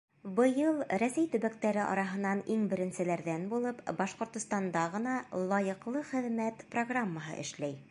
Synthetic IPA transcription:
bɤ̆jɤlˠɾæsæjt̪ɵ̆βæk̚t̪æɾɘʔɑ̰ɾɑɦɤ̆nːɑniŋbɘ̆ɾɘ̆nsɘ̆læɾðænbulˠɤpbɑʃqŏɾt̪ŏst̪ɑnd̪ɑʁɤ̆nɑlˠɑjɤ̆qlˠɤχɘ̆ðmæt̪proɡramːəɦɤ̰ʔɘ̰̆ʃlæj

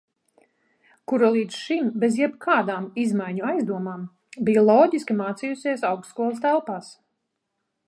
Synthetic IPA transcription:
kuɾalˠiːd̪zʃimbezjɛbkʰaːd̪aːmizmajɲuajzd̪uɔmaːm | bijlˠɔːɟiskʲimaːt̪sijusiɛsawkskuɔlˠst̪ælˠpaːs

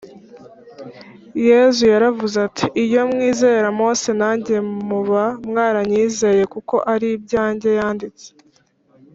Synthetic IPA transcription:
je̞zujaɾavuzatʰiʔːjo̞mŋiːze̞ːɾamo̞ːse̞naːɲɟemuβamŋaːɾaɲiːze̞ːje̞kuko̞ʔaɾibɟaːɲɟe̞jaːndit͡se̥

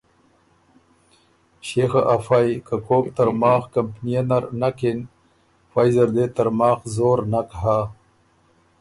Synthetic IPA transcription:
ɕexaʔafajkakoːk̚t̪ɐɾmɑːxkampnijanaɾnaken | fajzɐɾd̪et̪ɐɾmɑːxzoːɾnakɦa

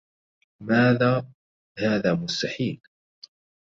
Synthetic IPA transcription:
maːðaː | haːðaːmʊst̪aħiːl

